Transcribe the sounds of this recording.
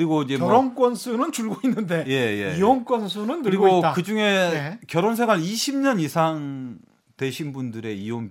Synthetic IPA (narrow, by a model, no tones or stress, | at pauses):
ɾiɡoid͡ʑe̞ʌɾonk͈ʌnsʰunɯnt͡ɕuɭɡoinːɯnde̞je̞je̞̰ioŋk͈wʌnsʰunɯntɯɭɾiɡɡot͈akɯd͡ʑuŋe̞kjʌɾonsʰeɡwaɾiɕʰimɲʌnisʰaŋ | twe̞ɕʰinbundɯɾe̞ijoŋ